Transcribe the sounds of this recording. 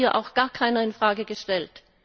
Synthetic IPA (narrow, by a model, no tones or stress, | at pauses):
iːɐʔa̰ʊxɡ̥aːɐkʰaɪnɐɪnfʁ̥aːɡəɡəʃtɛlt